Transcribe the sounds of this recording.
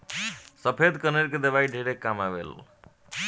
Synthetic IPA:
səpʰed̪kəneɾked̪ebaiɖʱeɾekːamabḛl

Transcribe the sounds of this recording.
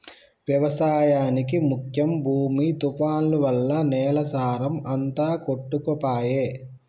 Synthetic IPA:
ʋjɐʋɐsaːjaːnikimukʰjɐmbʱuːmit̪upaːnluʋɐlːɐnɛːlɐsaːɾɐmɐnt̪aːkoʈːukopaːjeː

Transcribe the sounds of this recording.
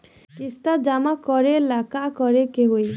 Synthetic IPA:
kist̪ad͡ʒamakɔɾelakakɔɾekeɦoj

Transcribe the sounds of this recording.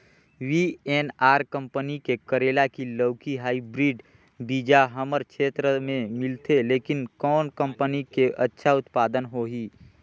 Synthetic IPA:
wiːeːnaːɾkə̃mpənikekəɾeːlakiləːkiɦaːibɾiːɖ | biːd͡ʒaɦəməɾkʃeːt̪ɾəmẽmɪlt̪eleːkɪnkɔːnkə̃mpənikeʔɐtːʃʰaʊt̪paːd̪ənɦoɦiː

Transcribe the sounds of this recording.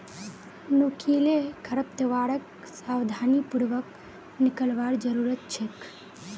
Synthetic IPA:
nukʰilekʰəɾəp̚t̪əʋaɽək | sawd̪ʱanipuɽʋək | nikəlʋaɾd͡ʒəɾuɾət̪̚t͡ʃʰek

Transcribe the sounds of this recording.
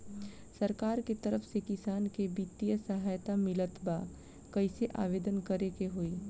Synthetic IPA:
sɐɾkaːɾket̪ɐɾəfsekɪsaːnkebit̪ːijəsɐɦaːjt̪amɪlət̪ba | kɐɪseʔa̰ːʋeːd̪ənkɐɾekeɦoːiː

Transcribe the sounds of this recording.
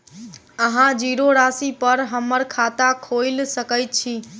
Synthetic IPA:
əɦãd͡ʒiɾoɾasipəɾɦəmːəɾkʰat̪akʰoɪlsəkəjt̪̚t͡ʃʰi

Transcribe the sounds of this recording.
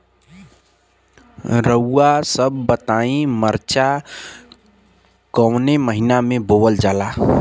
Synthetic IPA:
ɾəuasəbːət̪aĩməɾt͡ʃa | kəwneməɦinamẽbowəld͡ʒaːla

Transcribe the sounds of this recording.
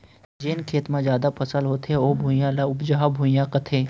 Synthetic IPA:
d͡ʒenkʰeːt̪mãzjaːd̪apʰɐsəlɦoːt̪eoːbʱuːjalʊbd͡ʒaɦabʱuːjãkɐt̪ʰeː

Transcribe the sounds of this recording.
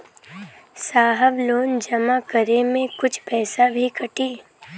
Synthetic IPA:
saːɦəʋloːnd͡ʒɐmakəɾemẽkʊt͡ʃʰpɛːsabʱikɐʈiː

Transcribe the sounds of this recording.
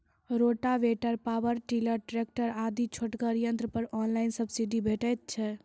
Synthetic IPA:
ɾoʈaʋeʈəɾpawəɾʈiləɾʈɾek̚ʈəɾad̪it͡ʃʰoʈkəɾijə̃nt̪ɾəpəɾɔnlajnsəbʱsiɖibʱeʈɛt̪̚t͡ʃʰɛ

